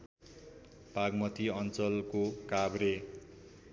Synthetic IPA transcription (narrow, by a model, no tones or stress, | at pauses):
paɡmʌt̪ʰiʌnt͡sʌlkokabre